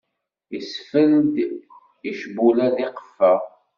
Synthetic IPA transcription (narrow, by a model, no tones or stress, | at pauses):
isfəld̪ | iʃbulæðiqə̥fːə